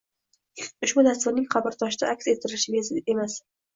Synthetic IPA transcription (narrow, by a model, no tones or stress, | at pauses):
ʊʃbʊd̪ast̪ʊɾnɪŋχʰɑbɪɾt̪ʰɒʃɪd̪aakʲse̞t̪ʰɪɾɪʃɪɡʲaze̞mas